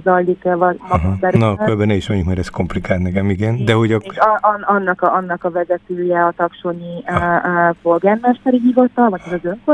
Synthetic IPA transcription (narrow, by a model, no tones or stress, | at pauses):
zɒlːikvɒmɒɦbɛɾnɒkøbɛnɛiʃmɛɲukmɛːɾɛsko̞mplikaːlt̪nɛkɛmiɡɛnd̪ɛɦo̞ɟʔɒnɒnːɒkɒʔɒnːɒkɒvɛzɛt̪øːjɛɒt̪ɒkʃoɲi | folɡɛnmaʃtɛɾiɦivɒt̪ɒlvɒɟɛzɒzøŋko